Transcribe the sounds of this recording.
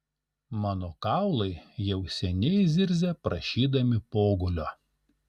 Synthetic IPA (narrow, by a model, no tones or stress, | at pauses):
mɑːnoːkɑˑʊlˠɐɪjɛʊsʲɛnʲɛɪzʲɪɾʲzʲepɾɐʃʲiːd̪ɐmʲɪpoːɡʊlʲoː